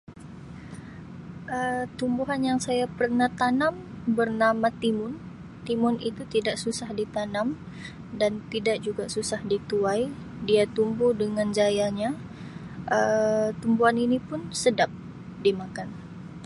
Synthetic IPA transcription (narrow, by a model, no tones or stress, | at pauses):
ʔət̪umbuɦanjaŋsajapərnaht̪anam | bərnamat̪imʊn | t̪imʊnit̪ut̪idaʔsusahdit̪anam | dant̪idaʔ̚d͡ʒuɡasusahdit̪uaj | diat̪umbuhdəŋand͡ʒajaɲa | ʔət̪umbuaninipʊnsədap̚ | dimakan